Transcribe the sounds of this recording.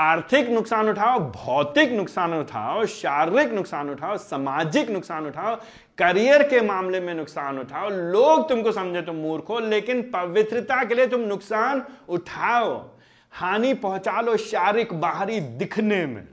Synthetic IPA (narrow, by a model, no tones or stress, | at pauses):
aːɾt̪ʰɪknʊksaːnʊʈʰaːobʱɔːt̪ɪknʊksaːnʊʈʰa̰ːoʃaːɾɪknʊksaːnʊʈʰaːosɐmaːd͡ʒɪknʊksaːnʊʈʰaːo | kɐɾijəɾkemaːmlemẽnʊksaːnʊʈʰaːoloːɡt̪ʊmkosɐ̃md͡ʒʱet̪̬ʊmːuːɾkʰɦoleːkɪnpɐʋɪt̪ɾɪt̪akeliet̪̬ʊmnʊksaːnʊʈʰaːo | haːnipɐɦʊ̃t͡ʃaːloʃaːɾɪkbaːɦɾid̪ɪkʰnemḛ̃